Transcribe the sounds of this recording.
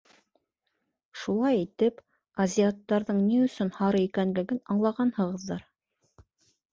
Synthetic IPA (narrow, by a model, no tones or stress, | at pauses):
ʃulˠɑjit̪ɘp | ɐzʲiat̪ːɑɾðɤɴniɵ̆sɵnhɑɾɤikænlɘ̆ɡɘnɑɴlˠɑʁɑnhɤ̆ʁɤ̆ðːɑɾ